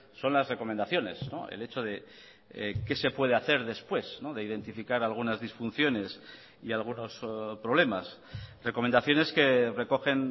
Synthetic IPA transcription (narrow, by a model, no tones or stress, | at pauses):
so̞nlazre̞ko̞mẽnd̪aθjo̞ne̞̰sno̞̰ḛle̞t͡ʃo̞ð̞e̞ | ke̞se̞pwe̞ðeaθe̞ɾðe̞spwe̞sno̞ðe̞iðe̞nt̪ifikaɾalɣ̞unazðisfunθjo̞ne̞s | ialɣ̞uno̞spɾo̞β̞le̞masre̞komend̪aθjo̞ne̞ske̞re̞ko̞xe̞n